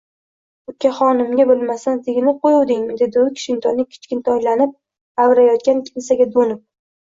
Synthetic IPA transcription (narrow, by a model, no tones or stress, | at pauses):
ʊkʲʰːaχɒnɪmɡʲabɪlˠmasant̪ʰɪɡʲnɪqʰojuwd̪ɪŋmɪd̪e̞d̪ɪʊkʲʰɪ̥ʃɪnt̪ʰɒnːɪkʲʰɪ̥t͡ʃkʲɪnt̪ʰɒjlanɪp̚ | awɾajɒt̪̚kʲankʲʰɪnsaɡʲad̪onɪp̚